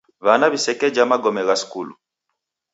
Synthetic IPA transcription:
βanaβisɛkɛd͡ʒamaɡɔmɛɣaskulṵ

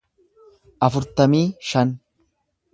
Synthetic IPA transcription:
ʔɐfʊɾt̪ɐmiːʃɐn

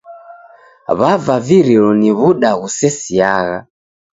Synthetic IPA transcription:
βavaviɾilɔniβuɗaɣusɛsiaɣa

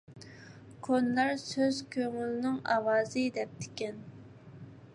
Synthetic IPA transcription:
kʰonlˠɑɾsøzkʲʰøŋylnɪŋɑ̰wɑːzɨd̪ɛp̚t̪ʰɪ̥kʲɛn

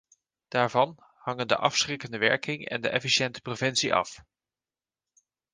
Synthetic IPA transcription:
d̥aːɹvɑn | hɑŋəndə̰ʔɑfsrɪkəndəʋɛɹkɪŋɛ̰ndə̰ʔɛfiʃɛntə̥provɛnsiʔɑ̰f

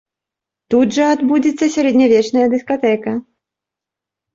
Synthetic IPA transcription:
t̪ud̪ʐɐad̪bud͡zʲit̪sːɐsʲaɾɛd̪ʲnʲavʲɛt͡ʂnɐjɐd̪ɨskat̪ɛkɐ

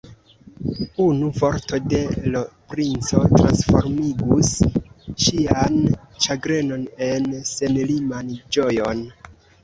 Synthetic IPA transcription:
unuvo̞ɾto̞de̞lopɾint͡so̞tɾa̰nsfo̞̰ɾmiɡusʃian | t͡ʃaɡɾe̞no̞ne̞nse̞nlimand͡ʒo̞jo̞n

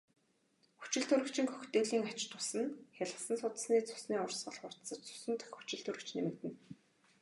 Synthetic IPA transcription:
xu̥t͡ɕɪ̆ɬt̪ʰɵɾɘ̆kt͡ɕɪ̆ŋxɵxt̪eːɮiːŋat͡ɕt̪ʊsə̆nxʲaɮə̆sə̆nsʊt̪̆sniːt͡sʊ̥sniːʊrsɢə̆ɮχʊr̥t̪sə̆t͡ɕt͡sʊ̥sə̆nt̪ɘ̥̆xu̥t͡ɕɪ̆ɬt̪ʰɵɾɘ̆kt͡ɕnemɘ̆k̚t̪ɘ̆n

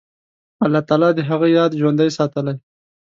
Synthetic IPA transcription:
alːɑt̪ɑlɑd̪əɦaɣəjɑd̪ʒwand̪ajsɑt̪əlaj

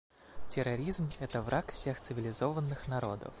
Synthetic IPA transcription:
tʲɪɾɐɾʲizmɛt̪əvɾʔakfsʲe̞xt̪sɨvʲɪlʲɪzovənːɨxnɐɾo̞̰d̪ə̰f

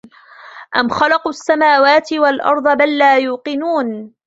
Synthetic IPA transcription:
ʔamxɑlɑqʔasːamaːwaːt̪ɪwalʔɑ̰ɾˤd̪ˤɑbalːaːjuːqɨnuːn

